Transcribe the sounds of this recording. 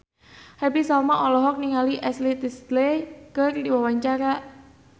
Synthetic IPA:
habisalmaʔɔlɔɦɔk̚niŋaliʔɛslit̪isd̪lekərdiwawaɲt͡ʃaɾaʔ

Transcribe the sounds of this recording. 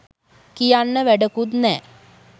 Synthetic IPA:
kijanːəʋæɖəkut̪nɛː

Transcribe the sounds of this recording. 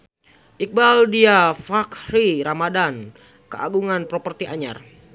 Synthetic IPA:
ʔik̚baldiafakriɾamadan | kəa̰ɡuŋanpɾopərt̪iʔaɲa̰r

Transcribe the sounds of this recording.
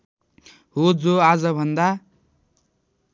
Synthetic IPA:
ɦod͡zoad͡zʌbʱʌnd̪a

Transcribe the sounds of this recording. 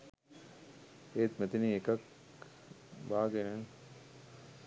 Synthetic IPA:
eːt̪mɛt̪iniekɐk | baːɡenen

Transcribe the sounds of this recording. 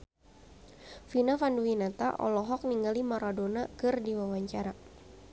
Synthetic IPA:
finafanduwinat̪a̰ʔɔ̰lɔɦɔk̚niŋɡalimaɾadonakɨrdiwawaɲt͡ʃaɾa

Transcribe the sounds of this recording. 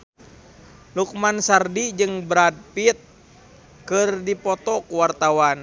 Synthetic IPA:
luk̚mansardid͡ʒɨŋbɾad̚pit̪̚ | kɨrdipɔt̪ɔkuwart̪awan

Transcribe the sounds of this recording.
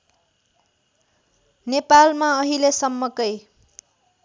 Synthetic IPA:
nepalmaʌɦilesʌmːʌkʌj

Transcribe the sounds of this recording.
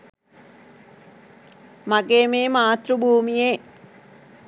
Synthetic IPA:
maɡeːmeːmaːt̪rubʱuːmijeː

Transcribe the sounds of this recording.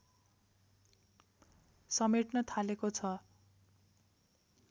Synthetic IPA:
sʌmeʈnʌt̪ʰalekot͡sʰʌ

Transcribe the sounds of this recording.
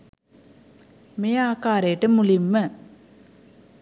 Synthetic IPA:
mejaːkaːɾejəʈəmulimːə

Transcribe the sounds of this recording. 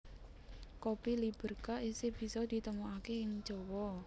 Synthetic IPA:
kopilib̥ə̤rkaʔiseb̥i̤sɔd̪̥i̤t̪əmuakeɪŋ̥d͡ʒ̥ɔ̤wɔ

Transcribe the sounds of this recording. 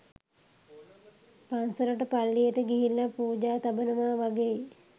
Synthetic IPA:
pansəɾəʈəpalːijəʈəɡiɦilːapuːd͡ʒaːt̪abənəʋaːʋaɡei

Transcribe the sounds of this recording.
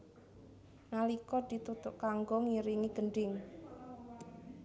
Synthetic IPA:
nalikɔd̪̥i̤t̪ut̪ʊʔkaŋɡɔŋiɾiŋid̪̥əɳɖɪŋ

